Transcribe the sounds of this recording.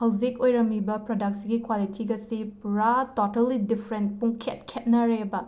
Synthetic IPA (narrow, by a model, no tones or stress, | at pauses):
hɐwzikojɾɐmːibɐpɾodɐk̚siɡikwalitʰiɡɐsipuɾatotɐlidipʰɾentpuŋkʰet̚kʰet̚nɐɾebɐ